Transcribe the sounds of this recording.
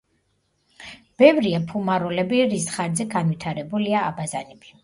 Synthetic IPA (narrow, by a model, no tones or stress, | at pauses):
b̥ɛvɾiapʰumaɾɔlɛbiɾisχaɾd̪zɛɡanvit̪ʰaɾɛbuliaːbazanɛbi